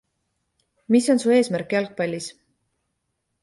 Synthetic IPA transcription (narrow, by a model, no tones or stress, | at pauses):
miso̞nsuːe̞ːsmærkːˑɑlk̚pɑlʲːis